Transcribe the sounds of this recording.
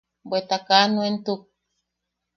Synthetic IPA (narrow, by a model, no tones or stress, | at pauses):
bʷet̪akanuent̪uk̚